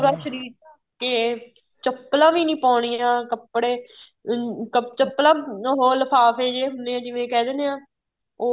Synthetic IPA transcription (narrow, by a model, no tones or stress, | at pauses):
uːɾaːʃəɾiːɾ | ke | t͡ʃəpːlãːʋiːnĩːpɔ̃ːɽ̃iːãːkəpːɽeː | kət͡ʃəpːlãːɦoːləpʰaːfeːd͡ʒeːɦʊnd̪eːãːd͡ʒɪʋẽːkɛːd̪eːneãː | oː